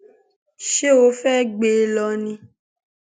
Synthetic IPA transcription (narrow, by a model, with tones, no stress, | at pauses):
ʃe˦o˨˦fɛ˦ɡ͡be˧˦lɔ˧nĩ˧